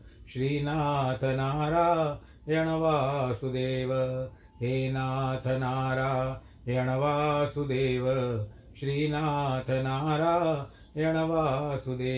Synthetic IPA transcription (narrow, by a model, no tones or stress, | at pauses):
ʃɾiːnaːt̪ʰɐnaːɾaː | jɐɳɐʋaːsud̪eːʋɐ | ɦeːnaːt̪ʰɐnaːɾaː | jɐɳɐʋaːsud̪eːʋɐ | ʃɾiːnaːt̪ʰɐnaːɾaː | jɐɳɐʋaːsud̪eː